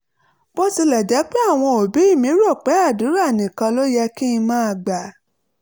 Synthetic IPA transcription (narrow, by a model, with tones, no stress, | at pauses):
b̥o˦ti˧lɛ˨d͡ʒɛ˨˦k͡pe˦a˦˨w̃ɔ̃˧o˨bi˨˦i˦˨mĩ˨˦ɾo˦˨k͡pɛ˨˦a˦˨dũ˨˦ɾa˦˨nĩ˨kã˧lo˦jɛ˧ki˦ĩ˧mãː˦˧˨ɡ͡ba˨